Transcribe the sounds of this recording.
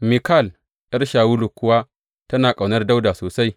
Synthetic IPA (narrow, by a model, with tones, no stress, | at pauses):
mi˨ka˦˨l | ʔɐ˦rʃaː˨wu˦lu˨kʊ˦wa˦ | tɐ˦naː˨kʼa˨wnɐ˦rda˦wda˨soː˨sa˦j